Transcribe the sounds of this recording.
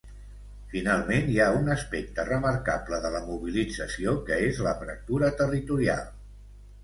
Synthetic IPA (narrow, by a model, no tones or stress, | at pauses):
finalˠmeniaunəspɛk̚t̪ərəməɾkabləðələmuβ̞ilid͡zəsiokəezləfɾə̰k̚t̪uɾət̪ərit̪uɾia̰lˠ